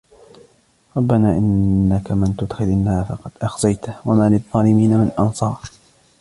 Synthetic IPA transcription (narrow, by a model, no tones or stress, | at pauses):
ɾˤɑbːanaːʔɪnːakamɪnt̪ʊd̪xɪlʔɪnːaːfɑqɑd̪̥ʔaxzajt̪wamalɪðˤːɑːlɪmiːnamɪnʔɑnsˤɑːɾ